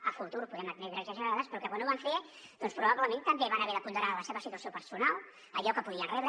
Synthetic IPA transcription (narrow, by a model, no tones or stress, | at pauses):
əfut̪uɾpuðɛmət̪nɛt̪ɾɛzəʒəɾaðəspɾɔkɛwənoβaɱfe | d̥̪ɔnspɾuβaβləmẽnt̪əmbeβanəβɛɾðəpund̪əɾaðləseβəsit̪uəsiopəɾsunalˠ | əʎɔkəpuðiənrɛβɾ